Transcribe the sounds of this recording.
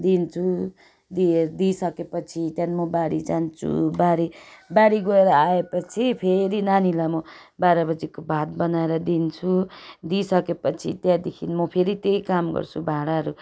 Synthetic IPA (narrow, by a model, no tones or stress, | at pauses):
d̪int͡sʰu | d̪ied̪isʌkepʌt͡sʰit̪janmʌbaɽḭd͡zant͡sʰṵbaɽibaɽiɡʌeɾʌaepʌt͡sʰipʰeɾinanilamʌ | baɾʌbʌd͡zikobʱat̪̚bʌnaeɾʌd̪int͡sʰud̪isʌkepʌt͡sʰit̪jãd̪ekʰinmʌpʰeɾit̪ejkamɡʌ̰rt͡sʰubʱaɽaʌɾu